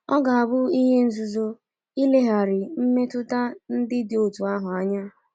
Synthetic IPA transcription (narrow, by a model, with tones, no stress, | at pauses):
ɔ˦ɡa˨a˨bʊ˦i˦ɦe˦n̩˦zu˨zo˦ | i˦le˦ɦa˨ɾɪ˨m̩˦me˦tʊ˦ta˦n̩˦dɪ˦dɪ˨o˨tu˨a˦ɦʊ˨a˦ɲa˦